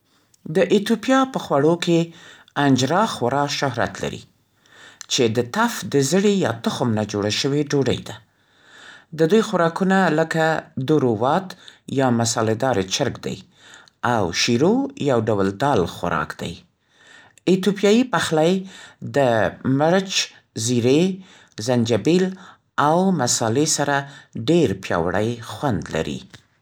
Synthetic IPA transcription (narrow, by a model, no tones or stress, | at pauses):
d̪əʔɪt̪opjɑpəxwaɽokʰe | and͡ʒɾɑxaɾɑʃʊɦɾa̰t̪la̰ɾḭ | t͡ʃed̪ət̪afd̪əzəɽejɑ̰t̪ʊxʊmnad͡ʒoɽaʃəweɖoɖə̰jd̪a | d̪əd̪ujxwaɾɑkunaləkad̪oɾowɑt̪jɑmasɑled̪ɑɾet͡ʃəɾɡd̪a̰j | awʃiɾojawɖawld̪ɑlxwa̰ɾɑ̰kd̪a̰j | ɪt̪opjɑjipaxlajd̪əməɾt͡ʃ | ziɾe | zand͡ʒabil | awmasɑlesaɾaɖeɾpjɑ̰waɽa̰jxwand̪la̰ɾḭ